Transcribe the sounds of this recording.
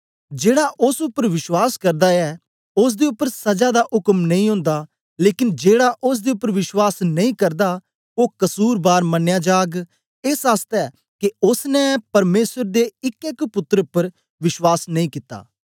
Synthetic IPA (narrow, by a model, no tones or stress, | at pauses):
d͡ʒeːɽaʔʊsʊpːəɾʋɪʃwaːskɐɾd̪aɛ | ʊs̬d̪eːʊpːəɾsɐd͡ʒad̪aʔʊkmnɐ̃ĩːɦʊ̃ːnd̪aː | leːkɪnd͡ʒeːɽaʔʊs̬d̪eːʊpːəɾʋɪʃwaːsnɐĩkɐɾd̪a | oːkɐsuːɾbaːɾmɐnːjaːd͡ʒaːɡ | ɪsast̪ɛː | keʊsnɛpɐɾmeːsəɾd̪eɪkɛkpʊt̪ːɾʊpːəɾ | ʋɪʃwaːsnɐ̃ĩkɪt̪ːa̰ː